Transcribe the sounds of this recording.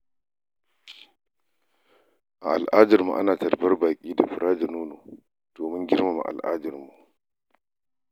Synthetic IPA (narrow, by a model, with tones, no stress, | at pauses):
ʔa˨ʔa˨lʔaː˦dɐ˨rmṵ˨ʔa̰˦naː˨tɐ˨rɸɐ˦rbaː˨kʲʼiː˦da˨ɸʊ˨ɾʔaː˦d͡ʒa˨nuː˦noː˨ | d̥oː˨mɪ˦ŋɡʲɪ˦rma˨mṵ˨ʔa̰˨lʔa̰ː˦dɐ˨rmu˨